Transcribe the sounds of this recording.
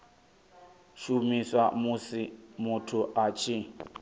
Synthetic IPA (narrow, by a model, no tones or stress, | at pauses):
ʃumiswamsimutʰuʔat͡ʃʰi